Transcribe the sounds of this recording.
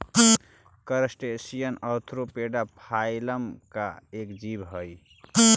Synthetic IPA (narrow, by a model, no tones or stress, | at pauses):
kəɾsʈesijənət̪ʰɾopeɖapʰaɪləmka̰ekd͡ʒibɦəj